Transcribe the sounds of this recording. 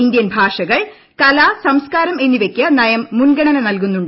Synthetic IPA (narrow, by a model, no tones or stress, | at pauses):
ind̪jɐnbʱaːʂɐɣɐɭ | kɐlaːsɐmskaːɾɐme̞nːiʋe̞kʲːɐnɐjɐmːunɡɐɳɐnɐnɐlkunːuɳɖ